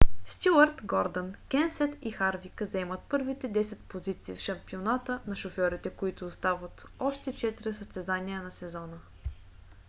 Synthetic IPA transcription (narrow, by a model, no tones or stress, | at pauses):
st̪ʲjuəɾt̪ɡɔɾd̪ənkɛnsɛt̪ixaɾvikəzɛmət̪̚pɤɾvit̪ɛd̪ɛsɛt̪̚pozit̪sḭːfʃɐmpionat̪ənɐʃofɔɾit̪ɛkoit̪ʊːst̪avət̪ɔʃt̪ɛt͡ʃɛt̪iɾɛsəst̪ɛzaniənɐsɛzɔnə